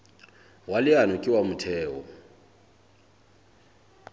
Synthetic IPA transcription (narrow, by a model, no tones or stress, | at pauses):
walɪanukʼiwamutʰɛːwɔ